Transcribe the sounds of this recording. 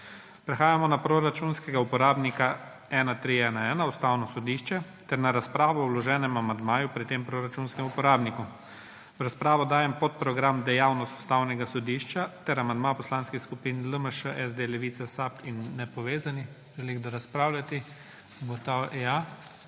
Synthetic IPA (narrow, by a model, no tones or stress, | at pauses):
pɾɛxaːjamɔnapɾoɾat͡ʃunskɛɡaupɔɾaːbnika | ɛːnat̪ɾiɛːnaɛːnaust̪aːwnɔsɔd̪iʃt͡ʃɛt̪ɛɾnaɾaspɾaːʋɔɔwlɔʒɛːnɛmamand̪maːjupɾit̪empɾoɾat͡ʃunskɛmupɔɾaːbniku | ɾaspɾaːʋɔd̪aːjɛmpɔt̪̚pɾɔɡɾamd̪ɛjawnɔst̪u̥st̪awnɛɡasɔd̪iːʃt͡ʃat̪ɛɾamand̪mapɔslaːnskixskupiːnləməʃəʔɛzd̪elɛʋit̪sasapinːɛpɔʋeːzanix | ʒɛliɣd̪ɔɾaspɾaːwlʲjat̪i | ɡɔt̪awa